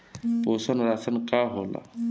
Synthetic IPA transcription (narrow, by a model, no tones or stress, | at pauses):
posənɾasənkaɦola̰